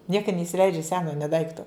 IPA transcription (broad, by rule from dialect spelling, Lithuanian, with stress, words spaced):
ˈnʲiɛkɐ nʲɛɪsʲɪˈlʲɛɪd͡ʒʲɛ ˈsʲæːnoː nʲeː ˈdɐɪktoː